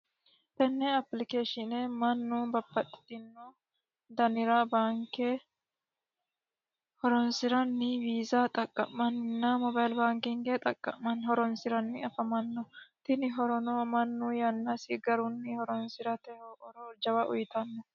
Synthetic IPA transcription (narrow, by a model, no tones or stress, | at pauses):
t̪ɛnːɛɐplɪkeːʃɪneːmɐnːuːbɐbːɐt̪ɪ̥t̪ːɪnːo | d̪ɐnɪɾaːbaːŋkeː | hɔɾɔnsɪɾɐnːɪbiːzaːt̪ʼɐkʼːɐ̰mːɐnnːɐmɔbɐjlbaːŋkɪŋɡet̪ʼɐkʼːɐ̰mɐnhɔɾɔnsɪɾɐnːɪɐfɐmɐnːɔt̪ɪnɪɦɔɾɔnoːmɐnːuːjɐnːɐsɪɡɐɾʊnːɪhɔɾɔnsɪɾɐt̪ɛoɾɔd͡ʒɐbɐʔʊ̰jt̪ɐnːɔ